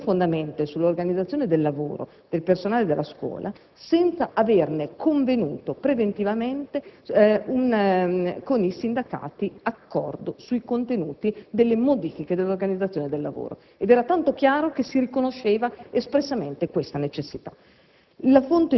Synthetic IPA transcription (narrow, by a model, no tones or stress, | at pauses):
fond̪ament̪esulːorɡanid̪zat̪sːjoːned̪elːavo̰ːɾo̰ | d̪̥elpersonaːled̪elːaskwɔ̰ːlʔa̰ | sɛnt̪saʔavernekʰoɱvenuːt̪opɾevent̪ivament̪eun | konisind̪aka̰ːt̪iakːɔ̰rd̪osujkont̪enuːt̪id̪elːemod̪iːfiked̪elːorɡanid̪zːat̪sjoned̪elːa̰vo̰ːɾo̰ | ed̪ɛːɾat̪ant̪ok̟jaːɾokesirikonoʃːeːvaespɾesːament̪ekwest̪anet͡ʃesːit̪ḁ | lafont̪e